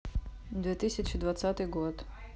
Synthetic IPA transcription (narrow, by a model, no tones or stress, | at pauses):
d̪vʲɛt̪ɨsʲɐt͡ʃɪd̪vat̪sat̪ɨjɡot̪